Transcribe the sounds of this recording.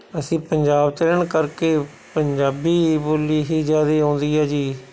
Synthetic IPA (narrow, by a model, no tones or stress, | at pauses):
əsĩːpəɲd͡ʒaːbt̪əɾəɳkəɾkeː | pəɲd͡ʒaːbiːboːliːɦiːd͡ʒaːd̪eːõːnd̪iːaːd͡ʒiː